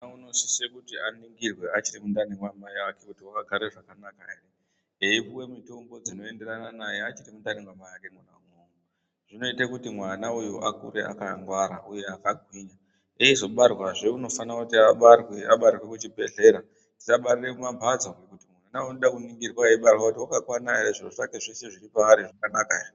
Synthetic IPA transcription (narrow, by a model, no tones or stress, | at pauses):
nauno̞si̥sekutianiŋɡirwe̞at͡ʃirimundaniŋɡwamajakekutiwakaɡʱaɾeʐakanakaere | eipuwe̞mito̞ŋɡo̞d͡zino̞e̞nde̞rananajeat͡ʃirimundaniŋɡwamajakemwanaŋoŋo | ʐ̥ino̞itakutimwanaujo̰ʔakṵɾḛʔa̰kaŋɡwaɾa̰uje̞akaɡʱwiːɲa | eizo̞ɓarwaʐeuno̞fanakutiaɓarweaɓarirwekut͡ʃibʱe̞ɮe̞ɾa | ti̥saɓarirekumambʱad͡zaɡekutimwanawnoɗakuniŋɡirwaiɓarwakutiwakakwanaeɾeʐiroʐake̞ʐese̞ʐiɾipaaɾiʐakanaka̰re